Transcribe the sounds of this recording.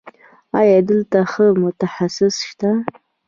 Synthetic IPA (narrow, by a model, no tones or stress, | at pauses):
ɑjad̪əlt̪aχəmʊt̪aħasɪsʃt̪a